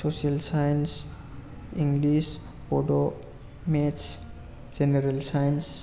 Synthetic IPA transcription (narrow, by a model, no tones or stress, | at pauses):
sosiəlsajns | ĩŋɡlis | poɖo | mets | d͡ʒeneɾəlsajns